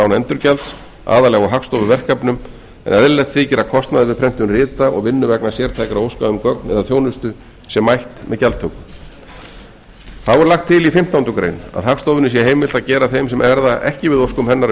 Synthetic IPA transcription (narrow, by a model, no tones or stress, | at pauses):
awnɛnt̪ʏɾcɛlt̪s | ʔa̰ːðalɛɣaɦakfst̪owvʏvɛr̥kapnʏm | ɛ̰nɛðɪlɛt̪θiːcɛɾakʰɔst̪naðɪvɪðpʰɾɛm̥t̪ʏmrɪːt̪aɔ̰ɣvɪnːʏvɛknasjɛːɾ̥t̪ʰajkɾaowskaðʏmkœk̚nɛ̰ðaðθjoːwnʏst̪ʏ | sjɛmajht̪mɛðcalt̪ʰːœkʏ | θavɔɾlaxt̪ʰːɪlifɪm̥t̪awnt̪ʏkɾḛjna̰ðhafst̪owvʏnɪsjɛɦeːjmvɪl̥t̪aðcɛːɾaθejmsɛmʔɛɾðaʔɛ̰hcɪvɪðowskʏmhɛnːaɾ